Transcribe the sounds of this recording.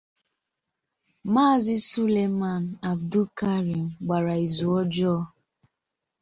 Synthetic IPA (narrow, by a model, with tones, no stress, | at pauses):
maː˦˨zɪ˦su˦le˨ma˨n̩˨a˨b̚du˦ka˦ɾi˨m̩˨ɡ͡ba˨ɾa˨i˨zu˨ɔ˦d͡ʒɔ˦